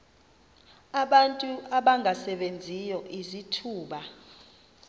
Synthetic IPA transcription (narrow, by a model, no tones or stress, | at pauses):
aɓantʼuaɓaŋʱasɛɓend͡zʱijɔʔizitʰuːɓa